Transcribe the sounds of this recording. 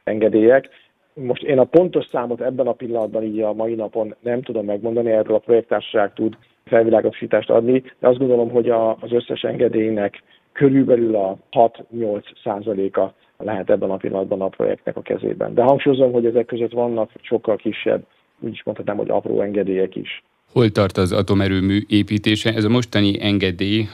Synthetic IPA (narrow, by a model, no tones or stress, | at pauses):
ɛŋɡɛd̪eːjɛk | mo̞ʃt̪eːnɒpo̞nt̪o̞ʃsaːmo̞t̪ɛbːɛnɒpilːɒnɒd̪̚bɒniːɟɒmɒjinɒpo̞nːɛmt̪ud̪o̞mːɛɡmo̞nd̪ɒniɛrølɒpro̞jɛk̚t̪ːaːrʃɒ̥ʃaːkt̪ud̪ | fɛlvilaːɡot̪o̥ʃiːt̪aːʃt̪ɒ̰d̪nid̪ɛɒzd̪ɡo̞nd̪olo̞mɦo̞ɟɒzø̞sːɛ̰ʃɛ̰ŋɡɛd̪eːjnɛkː | øɾylbɛlylɒhɒt̪ɲo̞lt̪ssaːzɒleːkɒ | lɛɦɛt̪ɛbːɛnɒpḭlːɒ̰nɒd̪bɒnɒpro̰jɛ̰k̚t̪nɛ̰kɒkɛ̰zḛːbɛ̰nd̪ɛɦɒŋkʃujozo̞mɦo̞ɟɛzɛkːøzøt̪ʋɒnːɒkʃo̞kːɒlkiʃːɛ̰bː | ṵːɟiʃmont̪hɒt̪naːmho̰ɒ̰pro̰ːɛŋɡɛd̪eːjɛkḭʃ | ho̞lt̪ɒrt̪ɒzɒ̰t̪o̞mɛɾøːmyːʔeːpiːt̪eːʃɛʔɛzɒmo̞ʃt̪ɒniʔɛŋɡɛd̪eːj